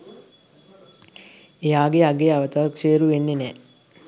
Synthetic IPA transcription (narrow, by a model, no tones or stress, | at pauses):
ejaːɡeaɡeaʋət̪aːrkʂeːəɾuʋenːenɛː